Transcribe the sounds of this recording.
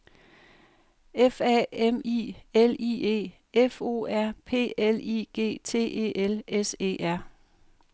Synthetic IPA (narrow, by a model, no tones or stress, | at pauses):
efɛ̰emḭeliːe̝̰ː | efo̝̰ːæɐ̰pʰe̝̰ːelḭːɡ̥e̝̰ːt͡sʰe̝̰ːʔe̝̰ːʔelese̝̰ːʔæɐ̰